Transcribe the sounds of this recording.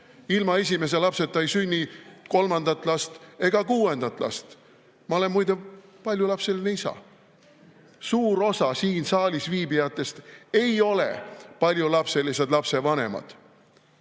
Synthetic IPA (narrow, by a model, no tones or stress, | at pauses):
ilmɑe̞s̬ʲime̞s̬e̞lɑpse̞t̪ːɑjsynʲːiko̞lmɑnd̪ɑt̪ːˑlɑst̪e̞ɡ̥ɑkuːe̞nd̪̥ɑt̪ːˑlɑ̰st̪ | mɑo̞le̞nmujd̪epɑlʲjulɑpse̞lineisɑ̰ | suːɾo̞sɑsiːnsɑːlʲisviːbijɑt̪ːˑe̞st̪e̞jo̞lḛpɑlʲjulɑpse̞lise̞d̪lɑpse̞vɑne̞̰mɑ̰d̪̥